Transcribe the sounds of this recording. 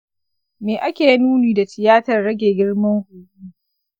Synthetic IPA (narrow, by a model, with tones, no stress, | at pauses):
meː˨ʔa˦kʲeː˨ji˦nuː˦niː˨da˨tɪ˨jaː˦tɐ˨rːɐ˦ɡʲeː˨ɡʲɪ˦ɽmɐ˦ŋhuː˨ʔuː˦